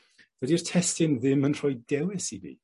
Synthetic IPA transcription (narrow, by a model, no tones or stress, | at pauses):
v̥ɛdiːr̥tʰɛstɪnðɪmənr̥ɔjdɛwɪsivḭ